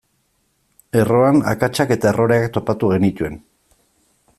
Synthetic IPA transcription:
e̞ro̞ana̰kat͡ʃake̞t̪ae̞ro̞ɾeakt̪o̞pat̪uɣe̞nit̪ue̞n

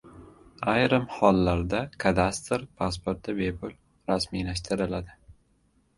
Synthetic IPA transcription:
ajɾɪmhɒlˠːaɾd̪akʰad̪ast̪ɾpʰaspoɾt̪̚d̪abe̞pʰʊl | ɾasmijlaʃt̪ʰɪɾɪlad̪ɪ

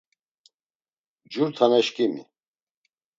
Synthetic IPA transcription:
d͡ʒuɾt̪ʰanɛʃkʼimḭ

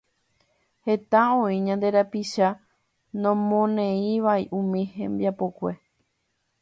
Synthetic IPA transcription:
he̞t̪aõĩɲãnd̪e̞ɾapiʃa | nõmõnẽĩʋaiʔũmĩhẽmbjapokʷe̞

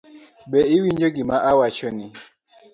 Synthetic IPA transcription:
bɛiwiɲd͡ʒoɡimaʔawat͡ʃoni

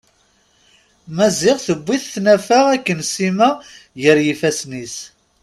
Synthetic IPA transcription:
mæzɪʁθəbʷːiθθnæfaʁækːənsimæ | jəɾjifæsnis

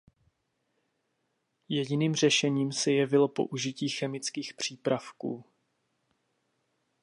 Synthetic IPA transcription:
jɛɟɪniːmr̝ɛʃɛɲiːmsɛjɛvɪlo̞po̞̰ʔuʒɪciːxɛmɪt͡skiːxpr̝̥iːpɾafkuː

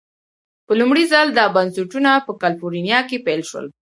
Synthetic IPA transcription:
pəlumɽizald̪ɑbansuʈunapəkalfoɾinjɑkepelʃwə̰l

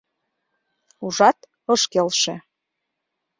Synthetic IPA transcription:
uʒɑt̪ | ɤʃkelʃe

